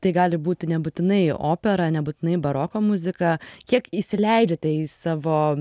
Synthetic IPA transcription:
t̪ɐɪɡɑːlʲɪbuːt̪ʲɪnʲɛbʊt̪ʲɪnɐɪo̰ːpʲɛɾɐnʲɛbʊt̪ʲɪnɐɪbɐɾoːkoːmʊzʲɪkɐkʲiɛkiʃʲsʲɪlʲɛɪd͡ʒʲɛt̪ɐɪsɑːʋoː

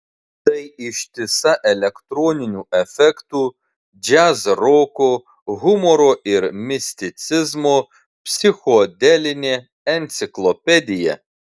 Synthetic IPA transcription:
t̪ɐjɪʃʲt̪ʲɪsɐʔɛlʲɛkt̪ɾɔːnʲɪnʲuɛfʲɛkt̪uː | d͡ʒʲæzɾɔko | ɣʊmɔɾoɪɾmʲɪsʲt̪ʲɪt̪sʲɪzmoː | pʲsʲɪxɔd̪ʲɛlʲɪnʲe | ɛnʲt̪sʲɪklˠɔpʲɛd̪ʲɪjɛ̰

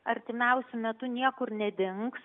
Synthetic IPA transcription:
ɐɾʲt̪ʲɪmʲɛʊsʲʊmʲɛt̪ʊnʲiɛkʊɾnʲɛd̪ʲɪŋks

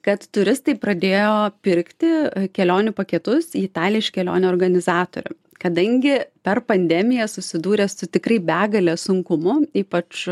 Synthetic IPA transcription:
kɐt̪t̪ʊɾʲɪst̪ɐɪpɾɐd̪ʲeːjoːpʲɪɾʲkt̪ʲɪkʲɛlʲoːnʲʊpɐkʲɛt̪ʊsiːɪt̪ɑːlʲɪɪʃkʲɛlʲo̰ːnʲʊoːrɡɐnʲɪzɑːt̪o̰ːɾʲʊ̰ | kɐd̪ɐŋʲɡʲɪpʲɛrpɐnʲd̪ʲɛmʲɪjɛsʊsʲɪd̪uːɾʲɛːsʊt̪ʲɪkrɐɪbʲæːɡɐlʲeːsʊŋkʊmʊiːpɐt͡ʃ

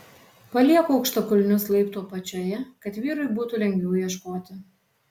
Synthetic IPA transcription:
pɐlʲiɛkuːɐʊkʃt̪okʊlʲnʲʊslˠɐɪpt̪uːpɐt͡ʃʲojɛkɐt̪ʋʲiːɾʊɪbuːt̪ulʲɛŋʲɡʲʋʲɛʊjiɛʃkoːt̪ʲɪ

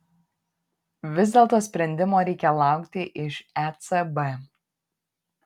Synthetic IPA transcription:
ʋʲɪzʲd̪ʲɛːlˠt̪oːsʲpʲɾʲɛnʲd̪ʲɪmoːɾʲɛɪkʲɛlˠɑˑʊkt̪ʲɪʔɪʃæt̪sɛbɛ

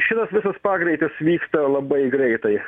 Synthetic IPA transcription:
ʃʲɪt̪ɐsʋʲɪsɐspɑːɡɾʲɛɪt̪ʲɪsʋʲiːkst̪ɐlˠɐbɐɪɡɾʲɛɪt̪ɐɪ

